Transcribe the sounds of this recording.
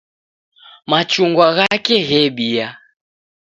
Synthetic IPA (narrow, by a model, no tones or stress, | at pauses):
mat͡ʃuŋɡwaɣakɛɣɛɓia